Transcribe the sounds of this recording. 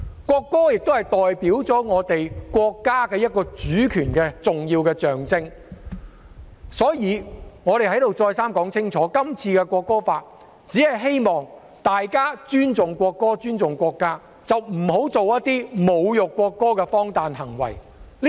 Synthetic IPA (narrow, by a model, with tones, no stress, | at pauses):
kʷɔː˧kːɔː˥jɪ˨k̚t̪o˥hɐ˨˩jt̪ɔː˨jpiː˨˥wt͡sɔː˨˥ŋɔː˨˧t̪e˨jkʷɔː˧kːaː˥kɛː˧jɐ˥t̚kɔː˧t͡syː˨˥kʰyː˨˩nkɛː˧t͡sʊ˨ŋjiː˧wkɛː˧t͡sœː˨ŋt͡sɪ˥ŋ | sɔː˨˥jiː˨˧ŋɔː˨˧ɾe˨jhɐ˨˥jt̪o˨wt͡sɔː˧jsaː˥mkɔː˨˥ŋt͡sʰɪ˥ŋt͡sʰɔː˨˥kɐ˥mt͡sʰiː˧kɛ˧kʷwɔː˧kːɔː˥faː˧t̚ | t͡siː˨˥hɐ˨jɦe˥jmɔː˨ŋ | t̪aː˨jkaː˥t͡ʃyː˥nt͡sʊ˨ŋkʷɔː˧kːɔː˥t͡ʃyː˥nt͡sʊ˨ŋkʷɔː˧kːaː˥ | t͡sɐ˨wm̩˨˩ɦo˨˥wt͡so˨wjɐ˥t̪iː˥mo˨˧wjʊ˨kːwɔː˧kːɔː˥kɛ˧fɔː˥ŋt̪aː˨nɦɐ˨˩ŋwɐ̰˨˩j | l